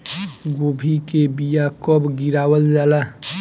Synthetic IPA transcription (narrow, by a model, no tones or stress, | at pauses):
ɡobʱikebijakəbɡiɾaːwəld͡ʒaːla